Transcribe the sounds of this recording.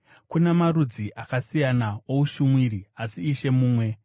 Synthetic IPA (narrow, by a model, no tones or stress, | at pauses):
kunemaɾud͡ziʔakasijanao̞uʃumwiɾiasiːʃe̞muːmwe̞